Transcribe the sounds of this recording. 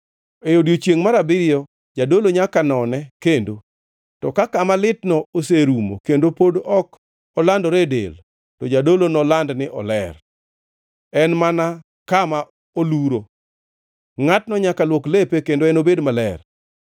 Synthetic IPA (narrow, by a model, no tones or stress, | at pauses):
ejodjot͡ʃjeŋmaɾabɪɾɪjɔ | d͡ʒadoloɲakanɔnɛkendo | tɔkakamalɪtnɔoseɾumo̰kendopodɔk | ɔlandɔɾedḛl | tɔd͡ʒadolonɔlandnɪʔɔ̰lɛr | ɛnmana | kama | oluɾo | ŋatnɔɲakalwoklepekendoɛnobedmalɛr